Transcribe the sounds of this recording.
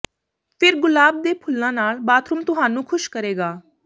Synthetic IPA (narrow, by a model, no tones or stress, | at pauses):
pʰɪɾɡʊlaːb̚d̪eːpʰʊlːãːnaːlbaːt̪ʰɾʊmt̪ʊɦaːnũːkʰʊʃkəɾeːɡaː